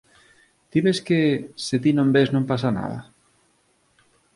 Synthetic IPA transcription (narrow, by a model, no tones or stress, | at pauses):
d̪̥iβeskeset̪inõmbeznõmpas̬ana̰ðɐ̰